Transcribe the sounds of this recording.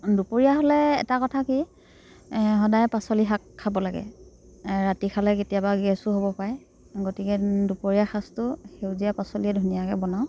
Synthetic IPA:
dupoɹijaɦolɛ̰ːtakɔtʰaki | ɦɔdajpasoliɦakʰːabɔlaɡɛ̰ | ɹatikʰalɛketijabaɡɛsʊɦobɔpaj | ɡotikɛdupoɹijaxʰastʊxewzijapasoliɛdʱunijakɛbɔnaw

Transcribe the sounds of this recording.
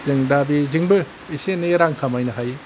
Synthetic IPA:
zɯŋdabiziŋbɯ | iseneɾaŋkʰamajnɯɦaj

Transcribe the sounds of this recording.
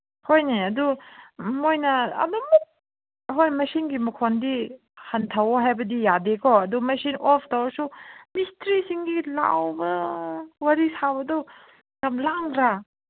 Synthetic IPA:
hojneɐdu | mojnɐɐ̰dumuk̚ | ɦojmɐsinɡimukʰondi | hɐntʰawɦajbɐdijadekʰɔɐdumɐsinɔpʰtʰawsumistɾisiŋɡila̰wbɐwɐɾisabɐdɔ | ɡamlaŋɾa

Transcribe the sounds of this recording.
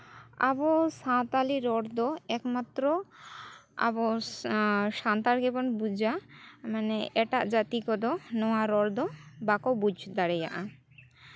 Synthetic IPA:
a̰bosãt̪aliɾɔɾd̪oɛkmat̪ːɾo | a̰bo | ʃant̪aɾɡebɔnbud͡ʑamaneʔɛʈaʔd͡ʑat̪ikɔd̪onɔaɾɔɾd̪obakobud͡ʑd̪aɾeja̰ʔã

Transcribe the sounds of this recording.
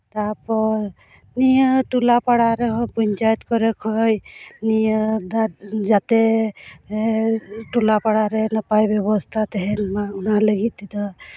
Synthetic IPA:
t̪aɾpɔɾ | nijəʈulapaɽaɾeɦpuɲt͡ʃajt̪kɔɾekʰɔjnijəd̪ad͡ʒat̪e | ʈulapaɽaɾenəpajbɔbɔst̪ʰat̪eɦɛnmaunaləɡit̪ːid̪ɔ

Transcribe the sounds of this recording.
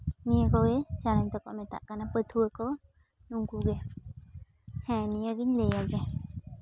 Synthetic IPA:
niəkowet͡ʃanaɲt̪ɔkɔʔmɛt̪a̰ʔkanapət̪ʰuəko | nuŋkuɡe | hɛ̃niəɡiɲlejad͡ʒɛ

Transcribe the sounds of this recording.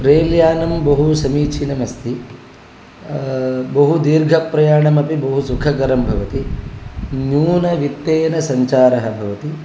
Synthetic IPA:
pɾeːljaːnɐmbɐɦusɐmiːt͡ʃʰinɐmɐst̪i | bɐɦud̪iːɾɡʱɐpɾɐjaːɳɐmɐpibɐɦusukʰɐkɐɾɐmbʱɐʋɐt̪i | njuːnɐʋit̪ːeːnɐsɐɲt͡ʃaːɾɐɦɐ̆bʱɐʋɐt̪i

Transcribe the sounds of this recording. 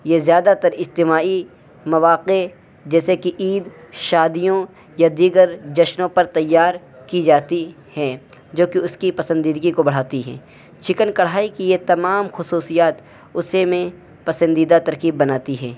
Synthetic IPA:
jezjaːd̪at̪ɐɾɪst̪ɪmaːi | mɐʋaːqe | d͡ʒɛːsekiʔiːd̪ʃaːd̪ijõ | jad̪iːɡəɾd͡ʒɐʃnõpɐɾt̪ɐjːaːɾ | kid͡ʒaːt̪i | hɛː | d͡ʒoːkiʊskipɐsə̃nd̪iːd̪ɡikobɐɽ̤aːt̪iɦɛ̰̃ː | t͡ʃʰɪkənkɐɽ̤aːikijet̪ɐmaːmxʊsuːsijaːt̪ | ʊsemẽ | pɐsə̃nd̪iːd̪at̪ɐɾkiːbːɐnaːt̪iɦɛː

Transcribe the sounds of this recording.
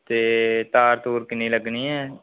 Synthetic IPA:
t̪eːt̪aːɾt̪uːɾkɪnːiːləɡniːɛː

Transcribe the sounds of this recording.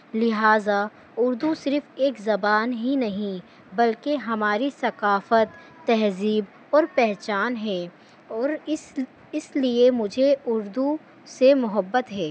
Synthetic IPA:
lɪɦaːza | ʊɾd̪usɪɾfeːkzɐbaːnɦinɐɦĩ | bɐlkeɦɐmaːɾisɐqaːfət̪ː | ɛɦziːb | ɔːɾpɛɦt͡ʃaːnɦɛː | ɔːɾɪ | ɪsliemʊd͡ʒʱeʊɾd̪u | semʊɦəbːət̪ɦɛː

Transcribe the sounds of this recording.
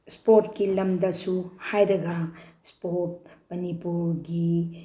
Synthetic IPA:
spoɾt̚kilɐmdɐsuhajɾɐɡaspoɾt̚mɐnipuɾɡi

